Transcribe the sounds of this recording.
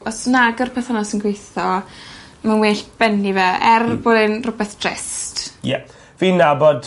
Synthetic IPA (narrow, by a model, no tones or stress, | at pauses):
ɔsnaɡərpʰɛθanɔsənɡwejθɔ | manweːɬb̥ɛnːivɛɛrboːdɛnrʊbɛθd̥rɪ̰stjɛ | viːnabɔd